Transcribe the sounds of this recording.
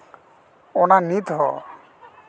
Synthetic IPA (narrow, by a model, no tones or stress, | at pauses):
ɔnanit̪ɦɔ̰